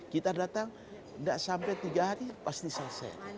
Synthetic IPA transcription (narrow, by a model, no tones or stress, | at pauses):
kit̪adat̪aŋ | ndaʔsampɛt̪iɡaɦaɾipast̪isasɛ̰